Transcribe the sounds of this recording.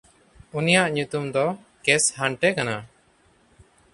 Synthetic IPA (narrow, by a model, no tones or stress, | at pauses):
unijaʔɲut̪umd̪ɔ | kɛshaɳʈɛkana